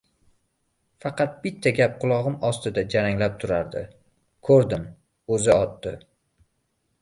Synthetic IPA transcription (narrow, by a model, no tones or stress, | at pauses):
fɑqʰɑt̪̚b̥ɪt̪ʰːaɡʲap̚qʰʊlˠɒʁɨmɒst̪ɪd̪ad͡ʒaɾaŋlap̚t̪ʰʊɾaɾd̪ɪ̰ | kʰɵɾd̪ɪm | ɵzɪɒt̪d̪ɪ